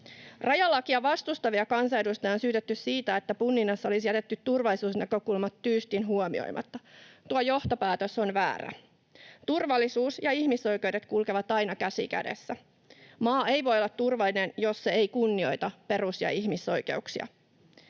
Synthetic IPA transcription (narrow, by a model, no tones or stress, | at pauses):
rʔɑjɑlːɑkiɑʋɑst̪ust̪ɑʋiɑkɑnsɑjedust̪ɑonsyːt̪et̪ːyssiːt̪æe̞t̪ːæpunːinːɑsːɑo̞lisijæt̪et̪ːyt̪ːurʋɑlːisuːsnækø̞kulmɑt̪ːyːst̪inɦuomḭo̰jmʔɑ̰t̪ːɑt̪uɑojo̞ht̪o̞pæːt̪øso̞nʋæ̰ːræ̰ | t̪urʋɑlːisuːsjɑihmiso̞jkewdet̪kulkeʋɑt̪ɑjnɑkæsḭkæ̰dḛsːæ | mɑːe̞jʋo̞jolːɑt̪tːurʋɑlːinenjo̞sːeejkunːio̞jt̪ɑpe̞rusjɑ̰ihmiso̞jke̞̰uksiɑ̰